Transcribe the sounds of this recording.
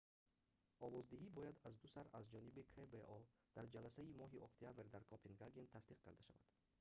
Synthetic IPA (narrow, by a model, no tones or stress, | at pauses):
ɔvɔzd̪iɦibɔjad̪azd̪usaɾazd͡ʒɔnibikʰebeʔɔd̪̥aɾd͡ʒalasaimɔɦiʔɔkt̪ʰijabɾd̪aɾkʰɔpʰenɡaɡent̪ʰasd̪iqkʰa̰ɾd̪aʃa̰va̰d̪̥